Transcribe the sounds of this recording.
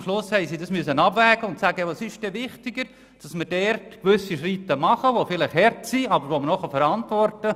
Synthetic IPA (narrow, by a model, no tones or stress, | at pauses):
mʃlʊshɛjsidɑsmyəsənɑbvæːɡ̥əʊntsæːɡəʋɑsɪʃd̥ɛʋɪχtɪɡəɾ | d̥ɑsməɾd̥ɛrtkʋʏsiʃɾitːəmɑχəʋofɪlɪχhɛɾtsiɑbəɾʋomənɔχəfɛɾɑntvɔrtə